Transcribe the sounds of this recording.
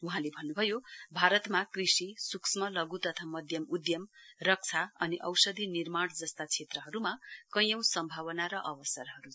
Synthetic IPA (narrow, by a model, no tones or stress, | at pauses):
uɦãlebʱʌnːubʱʌjobʱaɾʌt̪makrisisuksmʌlʌɡut̪ʌt̪ʰamʌd̪ʱjʌmud̪jʌmrʌk̚t͡sʰaʌniʔʌwsʌd̪ʱinirmaɽd͡zʌst̪at͡sʰet̪rʌɦʌɾumakʌjʌw̃sʌmbʱawʌnaɾʌʔʌwʌsʌrɦʌɾu